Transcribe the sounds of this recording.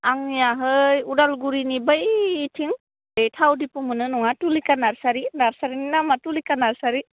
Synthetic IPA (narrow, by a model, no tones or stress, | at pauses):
aŋjaɦɯjudalɡuɾinibəjtʰiŋ | etʰawdipumɯnɯnɔŋatulikanaɾsaɾinaɾsaɾininamatulikanaɾsaɾi